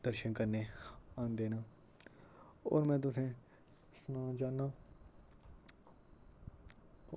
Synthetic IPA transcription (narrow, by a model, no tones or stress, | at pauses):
d̪əɾʃənkəɾneːaːnd̪eːnãː | ɔ̰ːɾmɛ̃ːt̪̬ʊsẽː | sʊnãːd͡ʒaːnːaː